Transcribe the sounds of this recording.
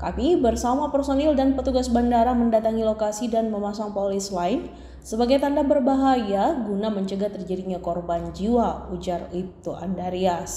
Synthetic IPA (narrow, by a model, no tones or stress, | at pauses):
ka̰mibərsamapərsonɛldanpət̪uɡasbandaɾaməndat̪aŋilokasidanməmasaŋpolɪslaɪn | səbaɡajt̪andabərbaɦajaɡunaməɲt͡ʃəɡat̪ərd͡ʒadiɲakɔrband͡ʒiwaud͡ʒarit̪ua̰ndaɾias